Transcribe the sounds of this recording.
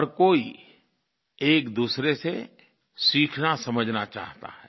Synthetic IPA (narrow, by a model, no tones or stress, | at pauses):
ɔɾkoːi | eːkd̪uːsɾese | siːkʰnasɐməd͡ʒʱnat͡ʃa̰ːɦt̪a̰ɦɛː